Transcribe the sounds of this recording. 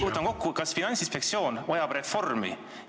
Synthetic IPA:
uhut̪ːˑɑnko̞kːukɑsfinɑnʲsinspek̪̚sio̞ːnojɑb̥re̞fo̞rmḭ

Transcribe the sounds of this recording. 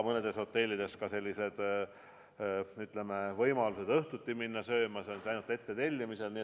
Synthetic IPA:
mɤne̞d̪̥e̞sho̞t̪ːe̞lʲːid̪̥e̞skɑse̞lʲːise̞d̪̥ | yt̪lemevɤjmɑluse̞d̪̥ɤht̪ut̪ʲːiminːɑsø̞ːmɑseonsisɑjnult̪e̞t̪ːe̞t̪e̞lʲːimise̞lni

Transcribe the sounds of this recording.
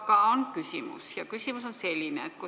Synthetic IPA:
kɑˑonkysymy̰sjɑkysymysonselinḛˑt̪ko

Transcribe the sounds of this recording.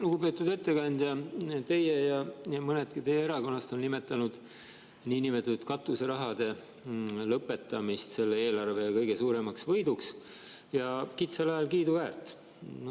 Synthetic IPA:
luɡ̥upe̞ːt̪ːˑud̪e̞t̪ːe̞kɑnʲd̪̥jɑt̪e̞jejɑjɑmɤned̪kit̪e̞jeeɾɑko̞nːɑst̪o̞nːime̞t̪ːˑɑnud̪̥ | niːnimet̪ɑut̪kɑt̪ːˑuseɾɑɦɑd̪̥e̞ | lɤpːˑe̞t̪ːˑɑmist̪se̞lːee̞ːlɑrve̞jɑkɤjɡe̞suːɾe̞mɑksvɤ̞jd̪̥uks | jɑkit̪sɑlɑjɑlkiːd̪uvæːrt̪ˑː

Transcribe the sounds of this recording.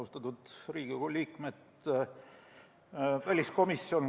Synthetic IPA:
ust̪ɑt̪ud̪̥riːɡ̥ikoliːkmet̪ | vælʲisko̞misːjo̞n

